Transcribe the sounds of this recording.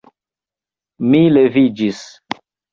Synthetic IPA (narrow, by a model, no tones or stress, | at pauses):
milevid͡ʒis